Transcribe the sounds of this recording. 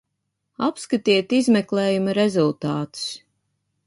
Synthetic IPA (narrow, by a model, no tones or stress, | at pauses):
apskat̪iɛt̪izmɛklˠeːjumɐɾezulˠt̪aːt̪u̥s